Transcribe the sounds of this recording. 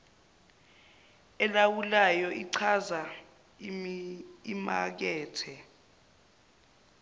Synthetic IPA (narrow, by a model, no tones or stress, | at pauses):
ɛlawulajɔʔiǀʰaza | ima̰k̬ɛːtʰɛ